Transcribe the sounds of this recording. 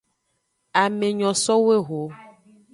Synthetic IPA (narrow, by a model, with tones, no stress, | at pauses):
a˨me˨ɲɔ̃˨sɔ˦we˦ɣo˨˦